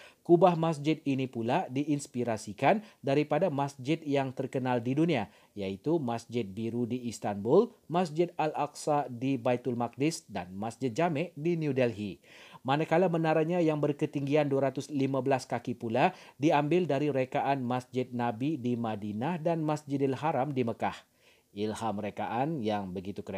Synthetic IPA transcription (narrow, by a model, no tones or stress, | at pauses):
kubahmas̬d͡ʒɪt̪̚inipuladiʔːnspiɾasikandaɾipadamasd͡ʒɪt̪̚jaŋt̪ərkənaldidunia | jait̪umasd͡ʒɪt̪̚biɾudiːst̪anbʊlmasd͡ʒɪt̪̚alaksadibait̪ʊlmak̚dɪsdanmasd͡ʒɪt̪̚d͡ʒamɛdiniudɛlɦimanakalamənaɾaɲajaŋbərkət̪iŋɡianduaɾat̪ʊslimabəlaskakipuladiambɪldaɾiɾekaʔanmasd͡ʒɪt̪̚nabidimadinahdanmasd͡ʒɪdɪlɦaɾamdiməkah | ʔɪlhamɾekaʔanjaŋbəɡit̪ukəɾ